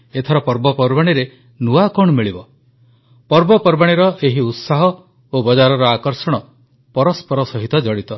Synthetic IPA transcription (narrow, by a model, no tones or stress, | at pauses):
et̪ʰɔɾɔpɔɾbɔpɔɾbaɽ̃iɾe | nuakɔɳ̃ɔmiɭibɔ | pɔɾbɔpɔɾbaɽ̃iɾɔʔeɦiut̪saɦɔ | obɔd͡ʒaɾɔɾɔakɔɾsɔɽ̃ɔ | pɔɾɔspɔɾɔsɔɦit̪ɔd͡ʒɔɽit̪ɔ